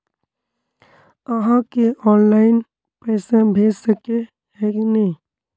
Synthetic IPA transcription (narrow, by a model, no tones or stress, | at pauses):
əɦãkeɔːnlaːɪn | pɛːsebʱeːd͡ʒsəke | ɦɛːknəĩ